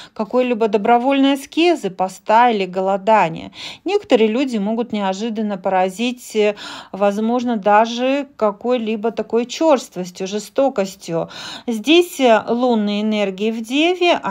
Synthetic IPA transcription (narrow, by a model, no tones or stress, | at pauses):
kɐko̞jlʲibəd̪əbɾɐvo̞lʲnəjəskʲezɨpɐst̪ailʲɪɡəlˠɐd̪anʲɪ̰jə̰nʲe̞kə̥t̪əɾɨjəlʲudʲɪmo̞ɡʊt̪nʲɪɐʐɨd̪ənːəpəɾɐzʲitʲvɐzmo̞ʐnəd̪aʐɨkɐko̞jlʲibət̪ɐko̞jt͡ɕo̞rst̪vəsʲtʲjʊʐɨst̪o̞kəsʲtʲjʊzʲdʲesʲlˠunːɨjɪnerɡʲɪɪvdʲevʲɪ